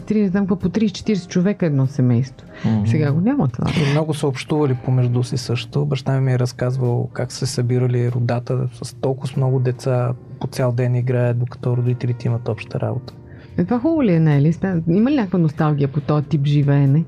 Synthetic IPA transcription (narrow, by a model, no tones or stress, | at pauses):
t̪ɾinɛzamkvapot̪ɾiːst͡ʃɛ̥t̪iɾɛsɛ̥t͡ʃovɛkəɛd̪nɔsɛmɛjst̪vosɛɡaɡonʲamət̪va̰ɛmnɔɡʊsəopʃt̪uvɐlipomɛʒd̪usisɤʃt̪obɐʃt̪animiɛɾɐskazvəlˠkaksɛsɐbiɾəliɾod̪at̪əsɐst̪ɔlˠkʊsmnɔɡʊd̪ɛt̪sapot̪sʲalˠd̪ɛniɡɾaɛət̪̚d̪okɐ̥t̪ɔɾod̪it̪ɛlit̪ɛimɐt̪ɔpʃt̪əɾa̰bot̪ə̥ | ɛt̪vaxɔlˠoliɛnɛlismaiməlinʲakəkvənost̪alˠɡ̟ʲiəpot̪ɔɛt̪ipʒivɛːnɛ